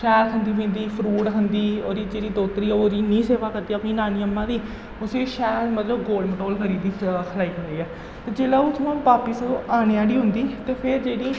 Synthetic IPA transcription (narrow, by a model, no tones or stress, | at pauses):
ʃɛːɾɦənd̪iːbẽːnd̪iːpʰɾuːʈɦənd̪iːoːɾiːd͡ʒeːɽiːd̪oːt̪ɾiːoːɾiːnĩːseːʋaːkəɾd̪iːəpnĩːnaːniːəmːãːd̪iː | ʊsẽːʃɛːlmət̪ləbɡoːɖməʈoːlkʰəɾiːd̪iːkʰəlaːiːɦənd̪iːɛː | t̪eːd͡ʒeːlaːuːt̪ʰmãːpaːpiːsəd̪õːaːñeːaːɽiːɦʊnd̪iːt̪eːpʰɪɾd͡ʒeːɽiː